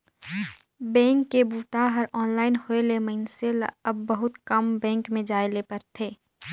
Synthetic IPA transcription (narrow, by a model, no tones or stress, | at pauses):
bɛ̃ːŋkːebuːt̪aɦəɾɔːnlaːɪnhoelemɐɦɪnsel̰ɐbːəɦʊt̪kɐmbɛ̃ːŋkmẽd͡ʒaːelepəɾt̪ʰeː